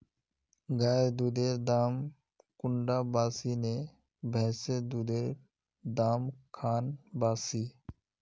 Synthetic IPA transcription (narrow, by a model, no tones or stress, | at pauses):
ɡaːed̪uːd̪eːɾd̪aːm | kʊɳɖaːbaːsiːne | bʱɛːseːd̪uːd̪eːɾ | d̪aːmkʰaːnbaːsiː